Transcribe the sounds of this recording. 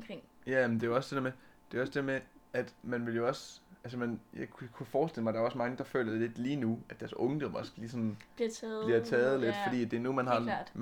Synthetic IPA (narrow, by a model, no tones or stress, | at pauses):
kʰeŋ̰jæmnd̥e̝æɒ̽sd̥e̝deɐmed̥e̝æɒ̽sd̥e̝deɐmeæd̥mænʋe̝ljo̝ɒ̽sælsəmænjɑɪkʰkʰufɒːsd̥eləmɑ̈ɪ̥ɑ̈ɐɒ̽smɑ̈ŋəd̥ɑ̈fø̰ːlɐ̥ele̝d̥liːnuæd̥æɐsɔ̽ŋəd̥ɒmɒ̽sɡ̥liːsɒ̽n̩̥it͡sʰːˠb̥liɐt͡sʰɛːð̞̩ˠle̝d̥fɒ̽d̥ḭːd̥e̝numænɦɑ̥̈